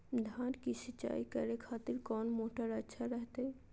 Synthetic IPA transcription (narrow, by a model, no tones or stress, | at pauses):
d̪ʱankisit͡ʃa̰ikə̰ɾekʰat̪iɾkɔnmoʈəɾədʃʰaɾəɦt̪ɛ